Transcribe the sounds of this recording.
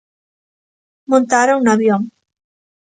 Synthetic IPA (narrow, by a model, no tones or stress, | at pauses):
mõnt̪aɾunaβjoŋ